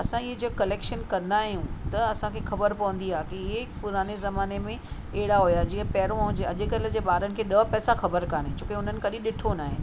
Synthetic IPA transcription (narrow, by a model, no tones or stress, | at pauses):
ɐsãɪɦed͡ʑɐkɐleːkʃənkɐ̃nd̪aːɦijũt̪ɐɐsãkʰeːxɐbəɾpɐʋə̃nd̪iaːɦkiɦɪepʊɾaːnezɐmaːnemẽ | eɦɪɽaɦujad͡ʑiə̃pɛɦɪɾõɲd͡ʑeɐʄɪkɐl̆d͡ʑeːɓaːɾənɪ̆kʰeːɗɐpɛːsaxɐbəɾkaːɽẽt͡ɕoːkeʊn̤ənɪ̆kɐɗĩɗɪʈʰonaːɦɪ̃